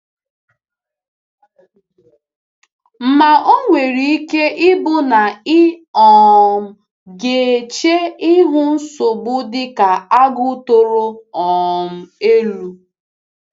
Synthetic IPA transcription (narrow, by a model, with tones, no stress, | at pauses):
m̩˨ma˨o˦ŋʷe˨ɾi˨i˦ke˦ʔɪ˦bʊ˦na˨ɪ˦ɔ˨m̩˦ | ɡe˨t͡ʃe˦ɪ˦ɦʊ˦n̩˦so˨bʊ˦dɪ˦ka˨a˦ɡʊ˦to˨ɾo˦ɔ˨m̩˦e˦lu˦